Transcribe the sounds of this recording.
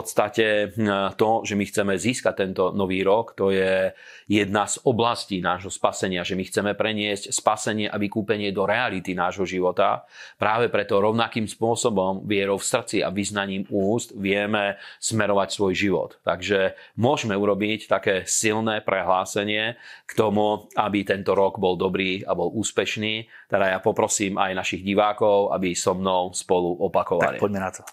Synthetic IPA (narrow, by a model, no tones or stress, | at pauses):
fpɔt̪st̪acɛt̪ɔʒɛmixt͡sɛmɛziːskac̚t̪ɛnt̪ɔnɔʋiːɾɔkt̪ɔjɛ | jɛd̪nazɔblasciːnaːʒɦɔspasɛɲɪaʒɛmixt͡sɛmɛpɾɛɲɪɛscspasɛɲɪɛʔaʋikuːpɛɲɪɛd̪ɔɾɛalit̪inaːʒɦɔʒiʋɔt̪a̰ | pɾaːʋɛpɾɛt̪ɔɾɔʊnakiːmspʊɔsɔbɔmʋɪɛɾɔʊfsr̩t͡sia̰ʋiznaɲiːmuːst̪ʋɪɛmɛsmɛɾɔʋacsʋɔjʒiʋɔ̰t̪ːaɡʒɛmʊɔʒmɛuɾɔbict̪akɛːsilnɛːpɾɛɦlaːsɛɲɪɛkt̪ɔmuabit̪ɛnt̪ɔɾɔɡbɔld̪ɔbɾiːabɔlʔuːspɛʃniːt̪ɛd̪ajapɔpɾɔsiːma̰jnaʃiɣɟiʋaːkɔʊʔa̰bisɔmnɔʊspɔluʔɔpakɔʋa̰lḭpɔɟmɛnat̪ʰɔ̥